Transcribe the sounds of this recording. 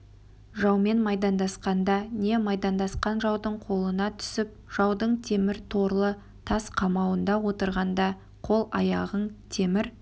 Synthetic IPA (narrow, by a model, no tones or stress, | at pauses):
ʒɑwme̞nmɑjd̪ɑnd̪ɑsqɑnd̪ɑne̞mɑjd̪ɑnd̪ɑsqɑnʒɑwd̪əɴqʰo̞lˠənɑt̪ʰʏ̥sɪp̚ʒ̥ɑwd̪əɴt̪ʰe̞mɪɾt̪ʰo̞ɾlˠə | t̪ʰɑsqʰɑmɑwənd̪ɑwo̞t̪əɾʁɑnd̪ɑ | qʰo̞lˠɑ̰jɑʁəɴt̪ʰe̞mɪɾ